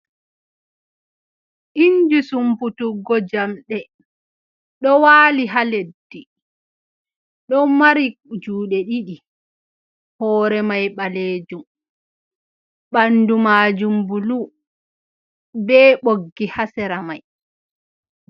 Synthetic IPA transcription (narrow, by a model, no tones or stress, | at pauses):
ʔiɲd͡ʒusumputuɡɔd͡ʒamɗɛ | ɗɔwaːliɦaledːi | ɗɔmaɾid͡ʒuːɗɛɗiɗi | hɔːɾɛmajɓaleːd͡ʒum | ɓandumaːd͡ʒumbulu | bɛːɓoɡːihasɛɾamaj